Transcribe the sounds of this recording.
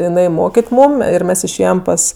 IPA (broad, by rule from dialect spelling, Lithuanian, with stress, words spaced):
jɪˈnɐɪ ˈmoːkʲɪtʲ ˈmuːm ɪr ˈmʲɛs ɪʃʲˈeːjɛm ˈpɐs